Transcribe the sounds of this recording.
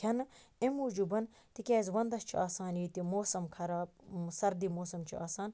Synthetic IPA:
kʲʰɐnemuːd͡ʒubɐn | t̪ikʲaːzʋɐnd̪ɐst͡ʃʰiaːsaːniːt̪imoːsɐmkʰɐɾaːbsɐɾd̪imoːsɐmt͡ʃʰiaːsaːn

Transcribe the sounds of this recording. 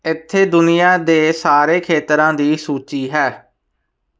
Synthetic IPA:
ɪt̪ʰːeːd̪ʊnɪjaːd̪eːsaːɾeːkʰeːt̪ɾãːd̪iːsuːt͡ʃiːɦɛː

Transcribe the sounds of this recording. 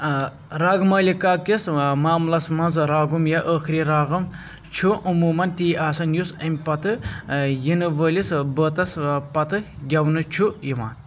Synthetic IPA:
ɾaːɡɨmɐːlʲikaːkismaːmlɐsmɐnzɾaːɡumjaʔəːxɾiɾaːɣɨm | t͡ʃʰuʔumuːmɐnt̪iːʔaːsɐnjusɐmʲpɐt̪ɨjinɨʋəːlʲisbəːt̪ɐspɐt̪ɨɡʲɐwnɨt͡ʃʰujima̰ːn

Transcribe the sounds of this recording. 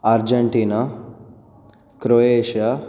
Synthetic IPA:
aɾd͡ʒeɳʈiːna | kɾoeːʃja

